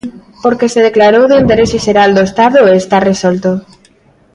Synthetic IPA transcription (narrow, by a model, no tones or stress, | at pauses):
poɾkeseð̞eklaɾowðeind̪eɾeseʃeɾald̪oest̪aðoeːst̪aresɔlt̪o